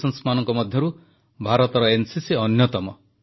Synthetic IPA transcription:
sʌnsmanʌŋkɔmʌd̪ʱjʌɾu | bʱaɾɔt̪ɾʌensisiʌnjʌt̪ʌmɔ

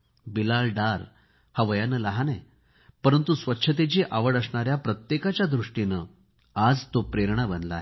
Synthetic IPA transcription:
bilalɖaɾ | haʋəjanəlaɦane | pəɾənt̪usʋətːɕʰət̪et͡ɕiːʔaʋəɽəsɳaɾjapɾət̪jekat͡ɕjad̪ɾuʂʈinə | ad͡zt̪opɾeɾɳabənla̰e

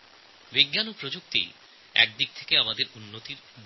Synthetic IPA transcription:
biɡːanupɾod͡ʑuk̚t̪ḭ | ɛ̰k̚d̪ik̚t̪ʰe̥keamad̪eɾunːot̪iɾ

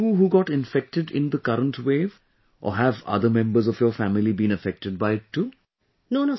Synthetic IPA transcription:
uːɦuːɡɔʈɪ̃nfɛk̚ʈɪɖɪ̰̃nd̪əkʌɾə̃nʈweːv | ʔɔ̰ːɦævʌ̰d̪əmɛ̃mbəɾzɔʋjɔːfæmɪlibĩːnəfɛk̚ʈəɖ̚baɪɪʈːuː | nono

